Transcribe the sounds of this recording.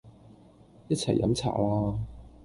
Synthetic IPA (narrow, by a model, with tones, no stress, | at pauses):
jɐ˥t͡sʰɐ˨˩jːɐ̰˨˥mt͡sʰa̰ː˨˩laː˥